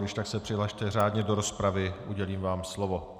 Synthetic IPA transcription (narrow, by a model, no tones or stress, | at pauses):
dɪʃt̪aksɛpr̥ɪɦlaʃt̪ɛr̝aːdɲɛdo̞ɾo̞spɾavɪʔuɟɛliːmvaːmslovo̞